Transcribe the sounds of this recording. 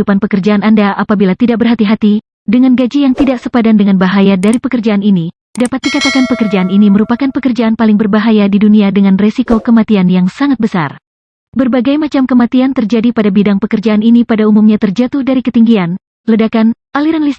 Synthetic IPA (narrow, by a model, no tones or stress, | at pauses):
upanpəkərd͡ʒaanandaʔapabilat̪idaʔbərɦat̪iɦat̪i | dəŋanɡad͡ʒijaŋt̪idaʔsəpadandəŋanbaɦajadaɾipəkərd͡ʒaanini | dapat̪̚dikat̪akanpəkərd͡ʒaːniniməɾupakanpəkərd͡ʒaʔanpalɪŋbərbaɦajadiduniadəŋanresikokəmat̪ianjaŋsaŋat̪̚bəsa̰r | bərbaɡajmat͡ʃamkəmat̪iant̪ərd͡ʒadipadabidaŋpəkərd͡ʒaːninipadaumumɲat̪ərd͡ʒat̪ʊhdaɾikət̪iŋɡian | lədakanʔaliɾanlis